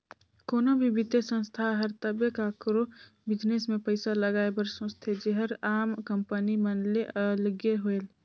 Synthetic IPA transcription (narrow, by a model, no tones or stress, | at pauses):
koːnobʱibɪd̪esə̃nst̪ʰaɦəɾt̪əbjekakɾo | bɪd͡ʒnesmẽpəɪsaləɡaːebəɾsõst̪ʰed͡ʒeɦəɾaːmkəmpənimənleʔəlɡjeɦoel